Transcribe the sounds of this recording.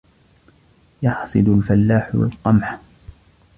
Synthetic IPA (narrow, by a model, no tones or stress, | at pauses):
jɑħsˤɨd̪ʊlfalːaːħwa̰lqɑmħ